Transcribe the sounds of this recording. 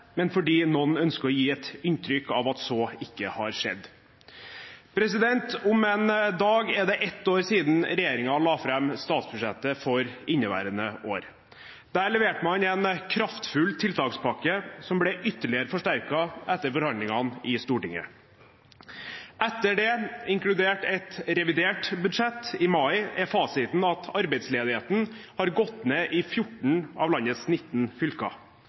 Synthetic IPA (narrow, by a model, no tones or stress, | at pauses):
mɛnfɔɖiːnɔnœnskəɾɔjiːɛt̪ɪnt̪ʰɾʏkːɑʋɑt̪sɔɪkːəhɑɾʂɛ̰d̪ː | pʰɾɛsɪd̪ɛnt̪ʊmɛnd̪ɑːɡɛd̪ɛʔɛt̪ːoːɾsiːd̪n̩ɾɛjeːɾɪŋɑlɑːfɾɛmst̪ɑːt̪sbʉʂɛt̪ːəfɔɾɪnːəʋæ̰ːɾənəʔoːɾ | d̪̥æːɭɛʋeːʈəmɑnɛnkʰɾɑft̪fʉlt̪ʰɪlt̪ʰɑkspʰɑkːəsɔmbɽɛʔʏt̪ːəɭɪəɾəfɔʂʈæɾkɑʔɛt̪ːəɾfɔɾhɑnd̪lɪŋɑnɪst̪uːʈɪŋə̰ | ʔɛt̪ːəɖɛɪŋkɽʉd̪eːʈɛt̪ɾɛʋɪd̪eːʈbʉd̪ʂɛt̪ːɪmɑɪɛfɑːsɪt̪n̩ɑt̪ʰɑɾbɛɪt̪sleːd̪ɪheːt̪n̩hɑɾɡɔt̪neːʔɪfjʊʈɳ̩ɑ̰ːʋlɑnːət̪snɪt̪ːn̩fʏlkɑ̰